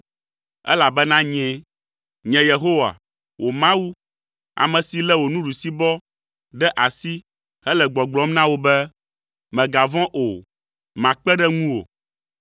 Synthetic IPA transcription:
ɛ̰˦la˨bɛ˦nã˦ɲɛ̃˦ | ɲɛ̃˨je˨ɦo˦wa̰˨ | wʔo˨mã˦wu˦ | a̰˨mɛ̃˨si˨lɛ˦wo˨nũ˦ɖu˨si˦bɔ˦ | ɖɛ˦ʔa˨si˦ | hɛ˦lɛ˨ɡ͡bɔ˨ɡ͡blɔ˨˦m˦nã˦wo˦bɛ˦ | mɛ̃˨ɡa˨vɔ̃˦ʔo˨ | mã˨k͡pɛ˦ɖɛ˦ŋũ˦wo̰˨

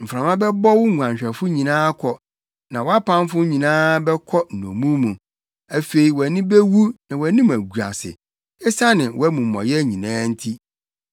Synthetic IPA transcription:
m̩˨fɾã˨mã˦bɛ˦bɔ˦wʊ˦˨ã˨ɲɕᶣɛ˨fʊ˦ɲĩ˨nãː˦kʰɔ˨ | nã˨wɔ˨˦a˦pã˦m˦fʊ˦ɲĩ˨nãː˦bɛ˦kʰɔ˦n̩˨nɔ̰̃˨mũ˦mũ˨ | æ˨fe˨i˨wæ˨nɪ̃˦be˦wu˦nã˨wæ˨nĩ˦m˨æ˨ɡu˨ɾa̰˨sɪ̰˨ | ɛ˦sa˦nɪ̃˨wʔɔ˦æ˦mũ˨mɔ̰̃˨jɛ˦ɲĩ˨nãː˦n̩˦tʰi˦

